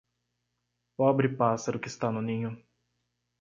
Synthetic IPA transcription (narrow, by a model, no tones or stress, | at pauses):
pɔbɾɪpasɐɾʊkɪːst̪anʊnĩɲʊ